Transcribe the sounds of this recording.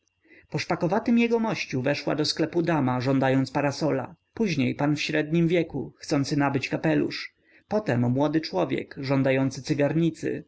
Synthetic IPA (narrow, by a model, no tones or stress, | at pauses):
pɔʂpakɔvat̪ɘmjɛɡɔmɔɕt͡ɕuvɛʂwa̰d̪ɔsklɛpud̪amaʐɔnd̪ajɔnt̪spaɾasɔla̰ | puʑɲejpanfɕɾɛd̪̚ɲimvʲjɛkuxt̪sɔnt̪sɘnabɘt͡ɕkapɛlṵʂ | pɔt̪ɛmːwɔd̪ɘt͡ʂwɔvʲjɛ̰kʐɔnd̪ajɔnt̪sɘt̪ɘɡaɾɲit̪sɘ̰